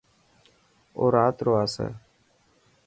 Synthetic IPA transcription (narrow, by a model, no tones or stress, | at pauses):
o̰ːɾaːt̪ɾoːaːsɛ̰ː